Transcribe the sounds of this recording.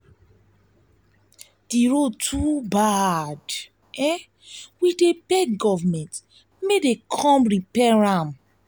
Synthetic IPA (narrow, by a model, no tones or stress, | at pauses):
d̥iɹotʰubad | ɛ | widebɛɡɔvamɛ̃nt | medekʰɔ̃mɹipɛɹãm